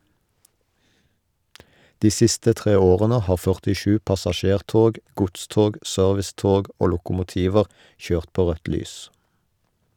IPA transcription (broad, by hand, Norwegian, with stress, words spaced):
ˈdiː ˈsɪstə ˈtʁeː ˈoːʁənə ˈhɑː fœʁtɪˈʃʉː pɑsɑˈʃeːʁˌtoːɡ ˈɡʊtˌstoːɡ ˈsœʁʋɪˌstoːɡ ˈoː lʊkʊmʊˈtiːʋəʁ ˈçøːʁt ˈpoː ˈʁœt ˈlyːs